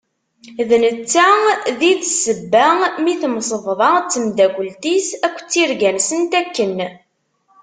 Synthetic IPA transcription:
ðnət͡sːæðiðsəbːæmiθmsˤəvðˤɑt͡sːəmd̪æɡʷəlt̪isækʷːt͡sːiɾɡænsənt̪ækːən

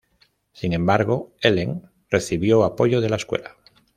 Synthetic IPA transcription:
siŋẽ̞mbaɾɣo̞eleŋ | reθiβjoapo̞ʝoð̞e̞laeskwḛla

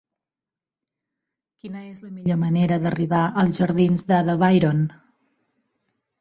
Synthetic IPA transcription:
kinəezləmiʎoməneɾəðəriβ̞aʔəlˠzʒəɾðinzðəðəβajɾon

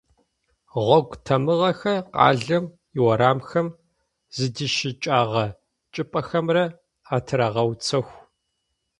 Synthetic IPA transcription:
ʁʷɔɡʷtʰɐmɨʁɐxɐqɑ̰ːɮɐm | iwɐɾaːmxɐm | zɨdiʃɪt͡ʃʼaːʁɐ | t͡ʃʼɪpʼɐxɐmrɐ | aːtʰɨɾaʁɐwt͡sʰɐxʷ

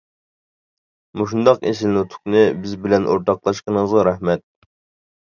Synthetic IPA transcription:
muʃ̬und̪ɑqesɪlnut̪ʰʊ̥knɨbɪzbɪlɛnʔoɾt̪ɑqlˠɑʃqənəŋəzʁɑɾɛhmɛt̪̚

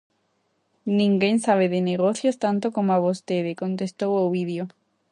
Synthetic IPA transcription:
nĩŋɡẽnsaβ̞eðeneɣ̞oθjost̪ãnt̪okomoaβost̪eðekõnt̪est̪owoβiðjo

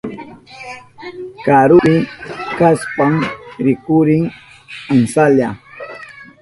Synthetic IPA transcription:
kaɾʊɾɪkaspaŋɾɪkʊɾɪŋ | ansaʎa

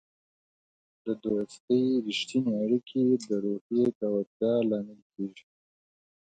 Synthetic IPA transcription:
d̪əd̪oast̪əjɾɪʃt̪ineaɽikʰed̪əɾoxjet̪awat̪̚jɑlɑːmɪlkeːʒi

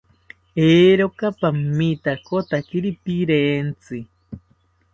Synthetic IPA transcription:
eːɾokapammːit̪akot̪akiɾipiɾeːnt͡sɨ

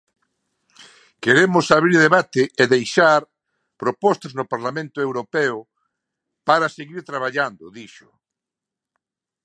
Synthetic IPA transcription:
keɾemʊsaβɾiɾðeβat̪eːðejʃaɾ | pɾopɔst̪aznʊpaɾlamẽnt̪ʊewɾopeʊ | paɾaseɣiɾt̪ɾaβ̞aʎand̪ʊðiʃʊ̥

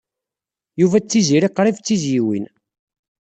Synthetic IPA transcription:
juvæt͡sːiziɾiqːɾˤivt͡sːizjiwḭn

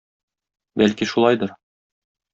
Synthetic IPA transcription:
bælkiʃulˠɑjd̪ɤɾ

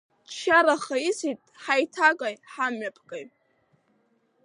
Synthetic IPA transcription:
t͡ʃʰaɾaχaisitʼħajtʰakʼajħamɥapʰkʼaj

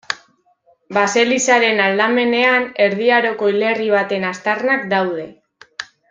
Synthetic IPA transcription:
base̞lisaɾe̞nald̪ame̞ne̞ane̞ɾðiaɾo̞ko̞ile̞riβ̞at̪e̞nast̪arnakd̪awð̞e̞

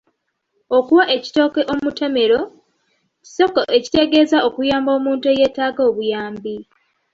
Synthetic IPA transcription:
o̞kuwaʔe̞ci̥to̞ːkeʔomutʰe̞me̞ɾo̞ | ci̥so̞koʔe̞ci̥te̞ɡe̞ːzaokujaːmbo̞ːmuːntueje̞ːtaːɡo̞ːβujaːmbi

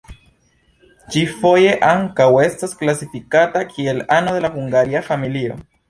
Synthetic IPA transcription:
t͡ʃifojeʔaŋkawest̪asklasifikat̪akʰielanoðelaxuŋɡaɾiafamilio̰

